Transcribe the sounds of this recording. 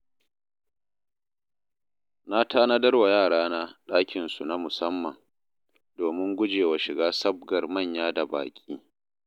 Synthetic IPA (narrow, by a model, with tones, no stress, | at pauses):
na˦tʰaː˦na˦dɐ˦rwa˨jaː˦˨ɽaː˦na˦ɗaː˦kʲɪ˨nsu˨na˦mʊ˨sɐ˦mːɐ˨ŋ | doː˨mɪ˦ŋɡʷʊ˦d͡ʒeː˨wa˨ʃɪ˨ɡaː˦sɐ˦b̚ɡɐ˨rmɐ˦˨ɲjaː˦da˨ba̰ː˨kʲʼiː˦